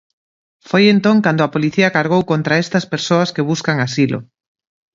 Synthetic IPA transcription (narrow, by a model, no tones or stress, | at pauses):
fojent̪oŋkand̪oɐpoliθiɐkaɾɣowkont̪ɾaest̪ɐspeɾsoɐskeβ̞uskaŋasilʔo̰